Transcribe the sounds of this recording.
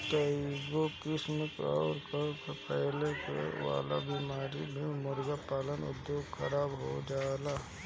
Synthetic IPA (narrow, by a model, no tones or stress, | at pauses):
kəiɡokɪsmɪkɔːɾkəkpɛɦlekḛʋa̰ːla̰bimaːɾibʱimʊɾɡapaːlənʊ̰d̪joːɡxʰəɾaːbɦo̰d͡ʒaːla